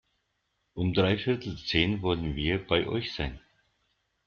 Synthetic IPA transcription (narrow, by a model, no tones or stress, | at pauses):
ʔʊmdʁaɪfɪɐtʰl̩t͡seːnvɔlənviːɐbaɪʔɔ̰ʏçz̥aɪn